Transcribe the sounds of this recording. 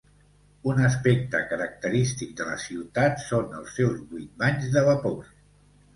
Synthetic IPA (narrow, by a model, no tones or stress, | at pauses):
unəspek̚t̪əkəɾək̚t̪əɾist̪ik̚d̪ələ̰siwt̪at̪sonə̰lˠsːɛwzβut̪̚baɲzðəβəpor